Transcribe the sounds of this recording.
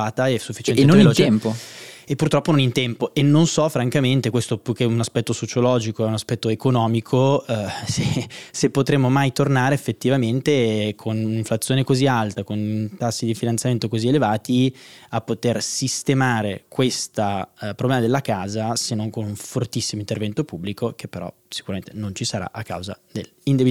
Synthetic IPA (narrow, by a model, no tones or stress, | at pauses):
aːt̪aɛsːufːit͡ʃɛɛnenːoenet̪ɛmpoepːurt̪ɾɔpːonõnint̪ɛmpoʔenːonsɔfɾaŋkament̪ekwest̪opuk̟eunaspɛt̪ːosot͡ʃolɔːd͡ʒikoɛunaspɛt̪ːoekonɔːmikʰosesepːot̪ɾemːomajt̪ornaːɾeefːet̪ːivament̪ekʰoniɱflat̪sːjoːnekozialt̪akont̪asːid̪ifinant̪jament̪okozielevaːt̪iapːot̪ersist̪emaːɾekwest̪apɾoblɛːmad̪elːakaːzasenːoŋkonuɱfort̪isːimoint̪ervɛnt̪opubːlikok̟epːeɾɔ̰ | si̥kuɾament̪enont͡ʃisaɾa̰ʔakːa̰wza̰d̪elind̪ebi